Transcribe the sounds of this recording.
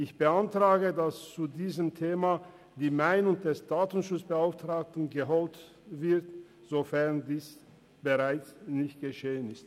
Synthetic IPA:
ʔɪçb̥əʔantʁ̥aːɡədast͡sudiːzəmtʰeːma | diːmaɪnʊŋd̥ɛsd̥aːtn̩ʃʊt͡sb̥əaʊftʁ̥aːk̚tn̩ɡəɦolt | v̥ɪɐt | z̥ofɛɐndiːs | b̥əʁaɪt͡snɪçtɡ̥əʃeːənɪst

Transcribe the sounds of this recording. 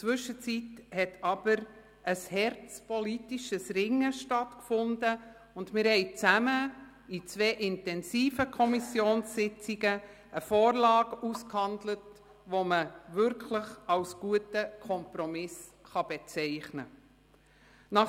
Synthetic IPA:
t͡sʋʏʃət͡sithɛtʰɑb̥əɾ | ʔəshɛɾt͡spɔlitiʃəsrɪŋəʃtɑtkfʊndə | ʊndmɪɾhɛɪt͡sæmə | it͡sveːʔɪntɛnsiːfəkʰɔmisjoːnsːɪt͡siɡə | ʔəfoːrlɑːɡ̥uskhɑndlət | ʋoməvʏɾkʰləχɑlsɡ̥uətəkʰɔmpɾɔmɪs | χɑb̥ɛt͡sɛɪχnə | nɑχ

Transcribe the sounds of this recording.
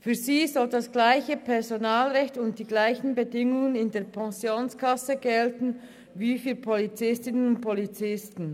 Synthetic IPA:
fyːɐziːzɔldasɡ̥laɪçəpʰɛɐzonaːlʁɛçtʊnt̚d̥iːɡlaɪçn̩bədɪŋʊŋənɪndeːɐpʰɛ̃sjoːnskʰasəɡɛltn̩ | viːfyːɐpʰolit͡sɪstɪnənʊnt̚pʰolit͡sɪstn̩

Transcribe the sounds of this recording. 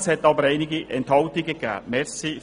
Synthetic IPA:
shɛtɑbəɾeɪnɪɡiʔɛnthɑltɪɡəkæ̰ːmɛɾsi

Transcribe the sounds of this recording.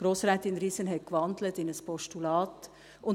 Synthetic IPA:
ɡ̥ɾoːsɾɛːtɪnɾiːsənɦɛtkʋɑnd̪lətɪnəspʰɔʃtulɑːt | ʔʊn

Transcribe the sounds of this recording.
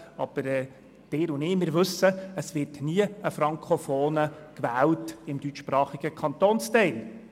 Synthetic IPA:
ɑ̰b̥əɾɛː | d̥ɪːɾʊnɪːmɪːɾʋɵsːəəsʋɪɾtniəəfɾɑŋkχofoːnəkʋæːltɪmdyt͡ʃʃpɾɑːχiɡəkʰɑnt̪oːnstɛɪn

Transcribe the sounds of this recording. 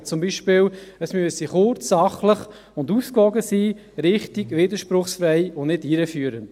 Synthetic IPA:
t͡sʊmbiːʃpɪːləsmyəsiχʊɾt͡sːɑχləχ | ʊnduːskvɔɡəsiː | ɾɪχtiɡʋiːd̪əɾʃpɾʊχsfɾɛɪʊnɪdiɾəfyːəɾənd̥

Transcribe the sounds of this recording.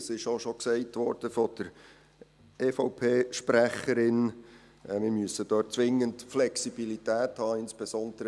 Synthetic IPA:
sɪʃoʃɔksɛɪtʋɔɾd̥əfɔd̥əɾ | eːfɔʊpʰeːʃpræχəɾɪn | mɪɾmyəsəd̥øːt̚t͡sʋɪŋːəntflɛksibilitæːthɑːɪnspɛsɔnd̥̪əɾə

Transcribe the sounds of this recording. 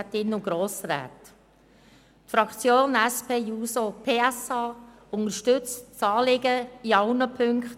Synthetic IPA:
t̪ɪnʊɡ̥ɾoːsɾæ̰ːt | tfɾɑkt͡sjoːnæspʰeːjuːsopʰeːɛsɑː | ʊnəɾʃtʏt͡stt͡sɑːlɪɡəiɑwnəpʰʏŋkχt

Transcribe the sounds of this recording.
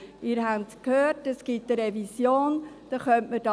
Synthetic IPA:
ɪːɾɦæntkʰhøːrtəsɡ̥itəɾɛvisjoːnd̥ɑχœntməd̥ɑ

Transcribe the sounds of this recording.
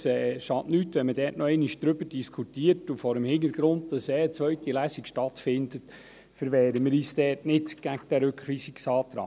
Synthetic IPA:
sɛːʃɑːʔnytʋɛnmədɛːtnɔɛɪniʃd̥ɾʏbəd̥iskʰutiːəɾtufɔɾəmhɪnəɾɡ̥ɾʊnt̚d̥̪ɑsɛːət͡sʋœɥtilæsikʃtɑt̪fɪndət | fəɾʋɛːɾəmɪɾiːsd̥ɛːtnɪtɡ̥æɡ̚d̥æɾʉkχʋiːsiksɑːt̪ɾɑ̰ː

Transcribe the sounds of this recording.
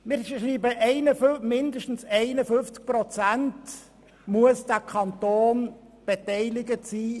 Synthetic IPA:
mɪɾʃriːbəʔɛɪnəfmɪndəʃtn̩sɛɪnəfʏnft͡sk̚pɾɔt͡sænt | muəsd̥ækʰɑnt̪oːn | b̥etɛɪlɪɡətsiː

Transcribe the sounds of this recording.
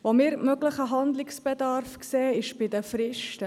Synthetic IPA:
ʋomɪːɾmœɡləχəɦɑnd̪lɪksb̥ɛdɑɾfkseːɪʃb̥ɪdəfɾɪʃtə

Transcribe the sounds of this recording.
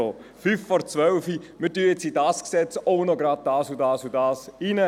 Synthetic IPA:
ofyːfːɔɾt͡sʋœlfimɪtyːəjɛt͡sidɑːsksɛt͡soʊnoɡɾɑːd̚d̥ɑːsudɑːsudɑːsinə

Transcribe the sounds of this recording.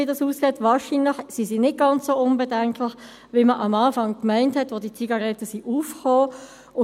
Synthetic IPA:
idɑsuːskeːtʋɑːʃinlɪçsisinɪt̚ɡ̥ɑnt͡ssoːʊnbɛdɛŋkʰlɪx | ʋiməʔɑmɑːfɑŋkmæɪnthɛtʋodit͡siɡɑʁɛtəsiʔuːfχoː | ʊ

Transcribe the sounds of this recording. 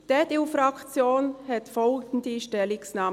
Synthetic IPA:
d̥ɛdeufɾɑkt͡sjoːnhɛt̪fɔltn̩d̪iːʃtɛlɪksnaː

